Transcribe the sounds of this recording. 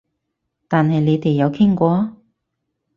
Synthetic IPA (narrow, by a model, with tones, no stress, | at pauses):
t̪aː˨nɦɐ˨jne˨˧jt̪e˨jːɐ˨˧wkʰɪ˥ŋkʷɔː˨˧